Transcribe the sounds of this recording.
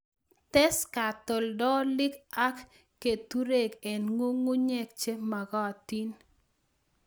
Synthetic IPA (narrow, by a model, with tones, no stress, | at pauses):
tɛ˦ska˨to˨ldɔ˦lɪ˦ka˦kː | e˨t̪u˦ɾe˦˨ɡɛ˨nŋo˦ŋu˦ɲɛ˦k̚t͡ʃe˦ma˨ɡɔ˦a˨ti˦n